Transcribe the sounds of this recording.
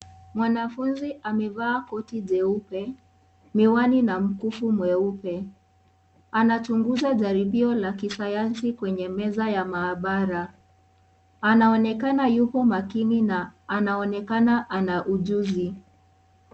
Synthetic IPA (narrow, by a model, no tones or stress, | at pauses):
mwanafunziʔamɛvaːkɔtiʄɛupɛ | miwaninam̩kufumwɛupɛ | anat͡ʃuŋɡuzaʄaɾiɓiɔlakisajansikwɛɲɛmɛzajamaːɓaɾa | anaɔnɛkanajupɔmakininaːnaɔnɛkanaʔanaʔuʄuzi